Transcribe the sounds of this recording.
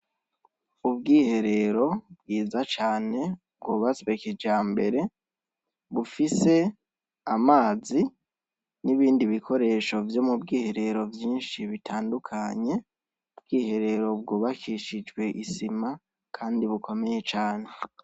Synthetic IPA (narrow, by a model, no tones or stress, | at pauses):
ub̚ɡiːhe̞ɾe̞ɾo̞b̚ɡiːzat͡ʃaːne̞ | b̚ɡoːβasiβeked͡ʒaːmbe̞ɾe̞ | βufise̞ | amaːzi | niβiːndiβikʰo̞ɾe̞ʃo̞vjo̞mubɡiːhe̞ɾe̞ɾo̞vjiːnʃiβitʰaːndukʰaɲe̞ | ubɡiːhe̞ɾe̞ɾo̞b̚ɡoβakiʃid͡ʒɡwe̞ʔisima | kʰaːndiβuko̞me̞je̞t͡ʃaːne̞